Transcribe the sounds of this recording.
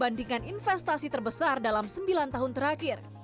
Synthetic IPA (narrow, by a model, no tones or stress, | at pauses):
bandiŋaninfɛst̪asit̪ərbəsardalamsəmbilant̪aɦʊnt̪əɾakɪr